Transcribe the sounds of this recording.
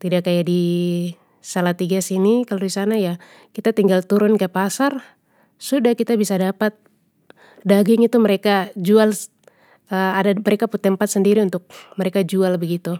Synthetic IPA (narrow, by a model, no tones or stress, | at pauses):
t̪idakːajadi | salat̪iɡasinikaloisanaja | kit̪at̪iŋɡalt̪uɾʊnkəpasar | sudahkit̪abisadapat̪̚ | daɡɪŋit̪umɛɾekad͡ʒual | əadamɛɾɛkaput̪ɛmpat̪̚səndiɾiunt̪ʊk̚mɛɾekad͡ʒualbəɡit̪u